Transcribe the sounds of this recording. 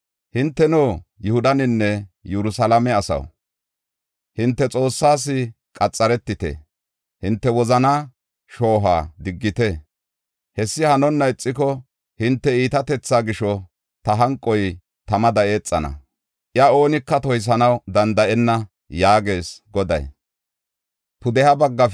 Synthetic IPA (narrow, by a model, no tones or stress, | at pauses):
hɪnt̪ːɛnoːjʊhʊd̪ɐnɪnːɛjɛɾʊsɐlɐmɛɐsɐ̰w | hɪnt̪ːɛt͡sʼo̞ːsːaːs̬ɪ | kʼɐt͡sʼːɐɾɛt̪ːɪt̪ɛ̰ | hɪnt̪ːɛwɔzɐnaː | ʃo̞ːɦa̰ːd̪ɪɡːɪt̪ɛ | hɛsːɪhɐnɔnːɐɪt͡sʼːɪkɔ | hɪnt̪ːɛiːt̪ɐt̪ɛt͡sːaːɡɪʃɔ | t̪ɐɦɐŋkʼːɔj | t̪ɐmɐd̪ɐʔe̞ːt͡sʼːɐnɐ̰ | ʔɪɐo̞ːnɪkːɐt̪ɔjs̬ɐnɐwd̪ɐnd̪ɐʔɛnːɐ | jaːɡe̞ːsɡɔd̪ɐ̰j | pʊd̪ɛhɐbɐɡːɐ